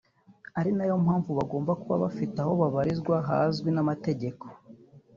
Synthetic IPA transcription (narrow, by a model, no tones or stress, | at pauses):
aɾinajo̞mhaːɱvuβaɡo̞ːmbakuβa̰βafitaho̞βaβaɾizɡwaɦa̰zɡwinamate̞ɟe̞kʰo̥